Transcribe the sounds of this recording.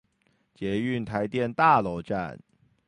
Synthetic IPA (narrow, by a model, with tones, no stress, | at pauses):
t͡ɕjɛ˨˥y˥˩nt̪ʰa˧˥ɪt̪jɛ˥˨nt̪a˥˨lo˧˥ʊʈ͡ʂa̰˥˨n